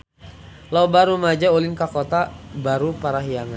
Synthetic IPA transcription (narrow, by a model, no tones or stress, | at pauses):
laubaɾumad͡ʒaulɪŋkakot̪abaɾupaɾaɦiaŋan